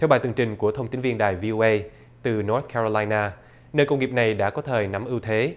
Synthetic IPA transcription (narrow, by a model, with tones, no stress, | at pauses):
ɛ˧wɓaː˨˩t̪ɨ˨˩əŋt͡ɕï˨˩ŋ̟ku˧˩ət̪ʰə˧wŋ͡mt̪i˨˦nvi˧ənɗaː˨˩jvi˧ʔo˧ʔə˧j | t̪ɨ˨˩nɔ˨˦˥t̪̚kɛ˧ɹo˧laː˧jnaː˧ | nəː˧jkə˧wŋ͡mŋi˨˩əp̚na˨˩jɗa̰ː˧˥kɔ˨˦t̪ʰəː˨˩jna˨˦mʔɨ˧wt̪ʰe˨˦